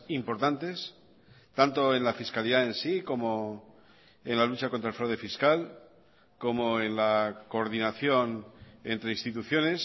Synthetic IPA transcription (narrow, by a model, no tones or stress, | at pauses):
impo̞ɾt̪ant̪e̞s | t̪ant̪o̞e̞nlafiskaliðaensiko̞mo̞ | e̞nlalut͡ʃako̞nt̪ɾaelfɾawðe̞fiskal | ko̞mo̞enlako̞ːɾðinaθjo̞ne̞nt̪ɾe̞inst̪it̪uθjo̞ne̞s